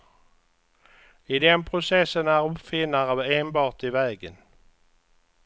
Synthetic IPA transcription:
ɪd̪ɛnpʰɾʊsɛsːənæɾɵpfɪnːəɾəeːnbɑːʈɪvɛːɡə̰n

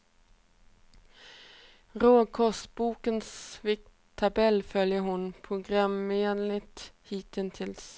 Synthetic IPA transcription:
ʁoːkʰɔst̪buːkənsʋɪk̚ | t̪ʰːɑbɛlfœljəhʊnpʰʊɡɾɑmeːnlɪt̪hiːt̪ɪnt̪ʰɪls

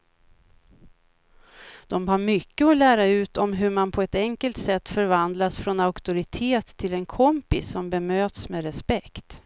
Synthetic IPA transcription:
d̪̥ɔmɦaːɾmʏkːəɔlæːɾaʉ̟ːt̪ɔmɦɵmanpʰɔɛt̪ɛŋkəlt̪sɛt̪ːfœɾvand̪lasfɾɔnaʊkt̪ʊɾɪt̪ʰeːt̪ʰːɪlɛnkʰɔmpɪ̰sːɔmbɛmøːt̪smeɾɛspɛkt̪

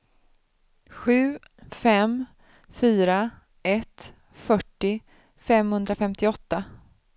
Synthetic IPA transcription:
ɧʉ̟ː | fɛm | fyːɾa | ɛt̪ | fœʈːɪ | fɛmhɵnd̪ɾafɛmt̪ɪɔt̪ːa

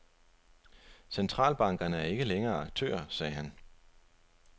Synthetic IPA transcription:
sent͡sʰʁɑ̰̈ːlb̥ɑ̈ŋɡ̥ɐnəæɐe̝ɡ̥əleŋɐːɑ̈ɡ̥̚t͡sʰø̰ːɐ̰sɛːɦæn

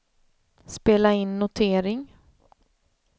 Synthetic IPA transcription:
speːlaɪnːʊt̪ʰeːɾɪŋ

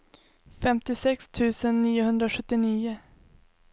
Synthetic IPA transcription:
fɛmt̪ɪsɛkst̪ʰʉ̟ːsənːiːʊɦɵnd̪ɾaɧɵt̪ːɪniːʊ

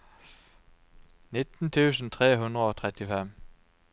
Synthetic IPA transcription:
nɪt̪n̩t̪ʰʉːsn̩t̪ʰʁeːɦʉnd̪ʁəoːt̪ʰʁɛt̪ɪfɛm

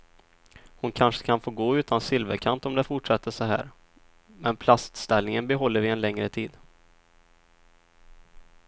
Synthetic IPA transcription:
hʊnkʰanʂə̥kʰanfoːɾɡoːʉ̟ːt̪ʰansɪlvəɾkʰant̪ɔmd̪ɛfʊʈʂɛt̪ʰːəʂɔɦæ̰ːɾ | mɛnpʰlast̪st̪ɛlnɪŋənbɛɦɔlːəɾvɪɛnlɛŋɾət̪ʰiːd̪

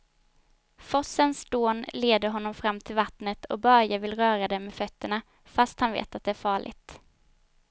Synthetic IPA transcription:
fɔsːənsd̪oːnleːd̪əɾɦɔnːɔmfɾamːt̪ʰɪlvat̪nət̪ʰɔ̰bœɾjavɪlɾœːɾad̪ɛmmːɛfœt̪ːəɳa | fast̪hanvḛːt̪at̪̚d̪ɛæːɾfɑːɭɪ̰ɡt̪

